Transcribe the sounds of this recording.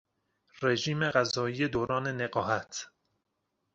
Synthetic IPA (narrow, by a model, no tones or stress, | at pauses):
reʒiːmeɣæzɒːiːjed̪oːɾɒːne̞neɢɒːɦæt̪ʰ